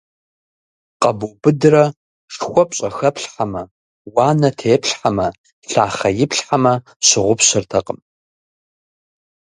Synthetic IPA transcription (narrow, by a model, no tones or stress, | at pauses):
qʼɐbuːbɨdɨrɐ | ʂxʷɔpʼɕʼɐxɐpɬħamɐ | waːnɐtʰeːpɬħamɐ | ɬaːχɐjɪpɬħamɐ | ɕɪʁʷʊpɕɪrtʰɐqʼəm